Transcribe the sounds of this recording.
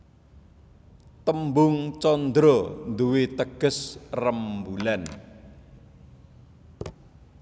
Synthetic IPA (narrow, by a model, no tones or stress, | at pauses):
t̪əmbʊŋt͡ʃɔnd̪ɾɔnd̪uwit̪əɡ̥ə̤srəmbulan